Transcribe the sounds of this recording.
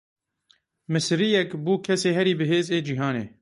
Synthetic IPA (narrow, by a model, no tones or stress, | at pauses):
mɨsɾijɛkbuːkʰɛseːɦɛɾiːbɨɦeːzeːd͡ʒiɦɑːnḛː